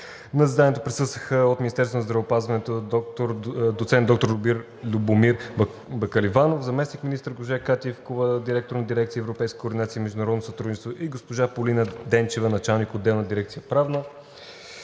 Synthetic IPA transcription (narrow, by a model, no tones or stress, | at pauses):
nɐzid̪anʲiɛt̪opɾɛsɤst̪vəxəot̪minist̪ɛɾst̪vonɐzd̪ɾɐvopazvɐnɛt̪ot̪oɾd̪ot̪sɛnd̪ɔk̚t̪oɾlʲʊbiɾ | lʲubomiɾ | bɐkəlivanofzɐmɛsnikminist̪əɾɡoʒɛkat̪ʲiɛfkovəd̪iɾɛk̚t̪oɾnɐd̪iɾɛkt̪siəɛvɾopɛjskək̪oːɾd̪inat̪siəimɛʒd̪ʊnɐɾɔd̪nosət̪ɾud̪it͡ʃɛst̪voʔiɡospoʒapolinəd̪ɛnt͡ʃɛvənɐt͡ʃalˠnikod̪ːɛlˠnəd̪iɾɛk̚t̪sijəpɾavnə